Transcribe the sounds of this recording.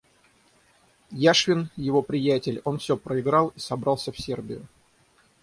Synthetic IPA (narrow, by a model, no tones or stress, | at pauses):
jaʂvʲɪnjɪvo̞pɾʲɪjætʲɪlʲo̞nfsʲɵpɾəɪɡɾɑlˠisɐbɾɑlˠsʲəfsʲerbʲɪ̰jʊ̰